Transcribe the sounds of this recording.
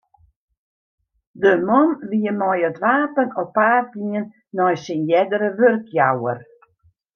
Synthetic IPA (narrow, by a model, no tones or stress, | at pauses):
dəmɔnʋiəmɔjətʋaːpənɔpaːrtiənː | ɔjsinjɛdəɾəʋørkjawə̰r